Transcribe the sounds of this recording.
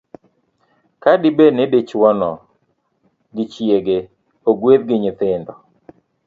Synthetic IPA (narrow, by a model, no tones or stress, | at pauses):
kadɪbenedet͡ʃwɔnɔ | ɡɪt͡ʃjeɡe | oɡweðɡɪɲɪt̪ɪndɔ